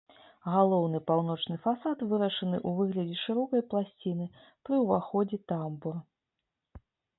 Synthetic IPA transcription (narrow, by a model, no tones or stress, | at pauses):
ɣalˠɔwnɨpawnɔt͡ʂnɨfasat̪vɨɾɐʂɨnɨʔuvɨɣlʲɐd͡zʲɛʂɨɾɔkɐjplˠasʲt͡sʲinɨ | pɾɨwvaxɔd͡zʲit̪ambur